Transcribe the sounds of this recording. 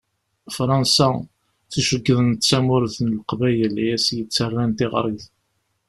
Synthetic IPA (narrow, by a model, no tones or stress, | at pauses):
fɾˤɑnsa | θuʃəɡːəðənt̪t͡sːæmʊɾθnəlqvæjæljæsjət͡sːərˤːænt̪ɪʁɾˤiθ